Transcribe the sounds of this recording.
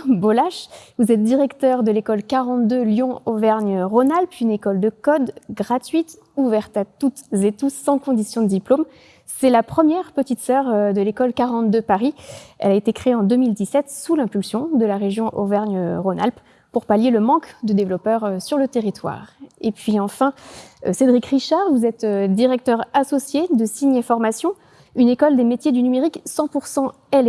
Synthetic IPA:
bolaʃvuzɛt̪̚d̪iʁɛkt̪œʁd̪əlekɔlkaʁɑ̃t̪d̪øljɔ̃ovɛʁɲʁonalpynekɔld̪əkɔd̪ɡʁat̪ɥit̪ | uvɛʁt̪at̪ut̪zet̪usːɑ̃kɔ̃d̪isjɔ̃d̪əd̪iplom | sɛlapχəmjɛʁpət̪it̪sœʁd̪əlekɔlkaʁɑ̃t̪̚d̪øpaʁiɛ̰laet̪ekχeeɑ̃d̪ømild̪isɛt̪sulɛ̃pylsjɔ̃d̪əlaʁeʒjɔ̃ʔovɛʁnəʁona̰lp | puʁpaljeləmɑ̃kd̪əd̪evlɔpœʁsyʁlət̪eʁit̪wa̰ːʁepɥiɑ̃fɛ̃sed̪ʁikχiʃaʁvuzɛt̪ød̪iʁɛk̚t̪œʁasɔsjed̪əsiɲefɔʁmasjɔ̃ | ynekɔld̪emet̪jed̪ynymeʁiksɑ̃puʁsɑ̃ | ɛl

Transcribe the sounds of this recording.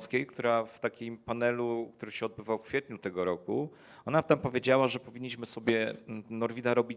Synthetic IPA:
skʲejkt̪uɾaft̪akʲimpanɛlukt̪uɾɘɕɛɔd̪̚bɘvawfkfʲjɛt̪ɲut̪ɛɡɔɾɔkṵ | ɔnat̪ampɔvʲjed͡ʑawaʐɛpɔvʲiɲːiɕmɘsɔbʲjɛnɔɾvʲid̪aɾɔbʲi

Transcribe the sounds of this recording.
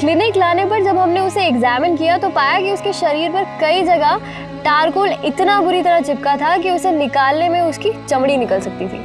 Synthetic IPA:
klɪnɪklaːnepɐɾd͡ʒɐbɦɐmneʊseɛɡzɛːmɪnkijat̪opaːjakiʊskeʃɐɾiːɾpɐɾkɐid͡ʒɐɡaɦ | ʈaːɾkoːlɪt̪nabʊɾit̪ɐɾat͡ʃɪp̚kat̪ʰakiʊsenɪkaːlnemẽʊskit͡ʃɐmɽ̃inɪkəlsɐk̚t̪it̪ʰḭː

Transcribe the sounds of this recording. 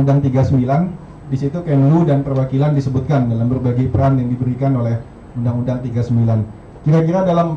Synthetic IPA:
undaŋt̪iɡasəmbilan | disit̪ukɛmludanpərwakilandisəbut̪̚kandalambərbaɡipəɾanjaŋdibəɾikanolɛh | undaŋundaŋt̪iɡasəmbilan | kiɾakiɾadalam

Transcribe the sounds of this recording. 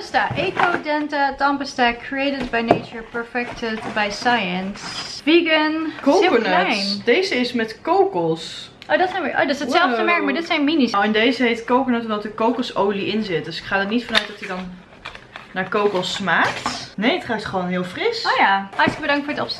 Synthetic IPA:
əstaʔeːkodɛntatɑmpəstakʰɹiejtədbajnejt͡ʃəɹpəɹfɛk̚tʰədbajsajənsʋiɡənkoɪənlnd̥ejzəɪsmɛtkowkəlˠs | ʔodɔtsɛjnʋəʔo̰dɔtsətsɛlˠdəmɛɹk̚maɹdɪtsɛjnminiswɪndejzəɦejtkowknətɔmdɔtəkowkəlˠsowliʔɪnzɪt̚dɵsɪ̥kχaːdəɹnitfɔnœɥt̚dɔtidɔn | naːɹkowkəlˠsmaːktnejətχatχəʋoːnɦɪːlˠfrɪsojahɑɹtələk̚bədɑŋktfʊːɹdətɔps

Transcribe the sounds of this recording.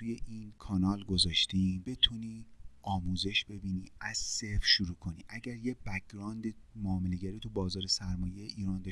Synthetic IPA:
uje̞ʔiːnkʰɒːnɒːlɡo̞zɒːʃt̪iːmbe̞t̪ʰuniːɒːmuːze̞ʃb̥e̞biːnḭːæz̥se̞fʃuɾuːkʰo̞nḭʔæɟæɾjebæk̚ɾɒːnd̪emoɒːme̞le̞ɟæɾiːt̪ʰubɒːzɒːɾe̞sæɾmɒːjejeʔiːɾɒːnd̪ɒ

